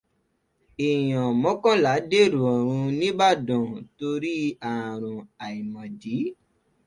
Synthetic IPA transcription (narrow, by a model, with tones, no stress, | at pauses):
e˨j̃ɔ̃˨mɔ̃˨˦kɔ̃˦la˨˦de˦˨ɾũ˨ɔ˨ɾ̃ũ˧nĩ˦ba˦˨dɔ̃˨to˧ɾi˦ã˨ɾ̃ũ˨a˨i˨mɔ̃˨di˨˦